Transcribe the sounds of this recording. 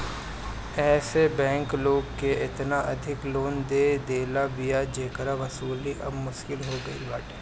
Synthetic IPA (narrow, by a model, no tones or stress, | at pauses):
ɛːsebɛ̃ːŋkloːɡkeɪt̪naʔɐd̪ʱɪkloːnd̪eːd̪eːlabijad͡ʒeːkəɾaʋɐsuːliʔɐ̰bmʊʃkɪlɦoɡɐḭbaːʈʰe̥